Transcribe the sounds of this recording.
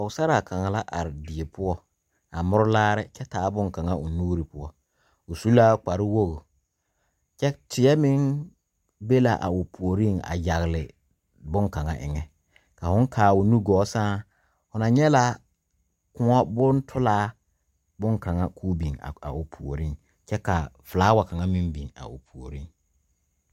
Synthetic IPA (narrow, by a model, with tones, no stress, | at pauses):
ɔ˨ɣsa˦ɾa˨kʰa˨ŋa˨la˦ʔa˨ɾɪ˨dɪ˨e˨pʰʊ˦ɔ˦ | a˨mʊ˦ɾʊ˦laː˦ɾɪ˦t͡ʃɛ˦taː˨˦bʊ˦ŋka˨ŋa˦ʔʊ˨nuː˦ɾi˨pʊ˦ɔ˦ | ʊ˨su˦la˦k͡pa˨ɾɪ˦wo˦ɣo˨ | t͡ʃɛ˦tɪ˨ɛ˦mɪ˦ŋ | be˦la˨ʔa̰˨ʊ˨pʰu˨o˨ɾi˦˨ŋa̰˨ja˨ɣlɪ˨ | bʊ˦ŋka˨ŋa̰˦ʔɪ̰˨ŋɛ˨ | ka˨hʊ˦ŋ˦kʰaː˨ʊ˨nu˦ɡɔː˨˦sãː˦ | ʊ˨na˨ɲɛ˦la˦ | kʊ˦ɔ˦bʊ˦ntʰʊ˦laː˦ | bʊ˦ŋka˨ŋa˦kʰuː˦bi˨ŋ˨a̰˨ʊ˨pʰu˨o˨ɾi˦˨ | t͡ʃɛ˦ka˨flaː˨˦wa˨ka˨ŋa˦mɪ˦mbi˨ŋa̰˨ʊ̰˨pʰu˨o˨ɾi˦ŋ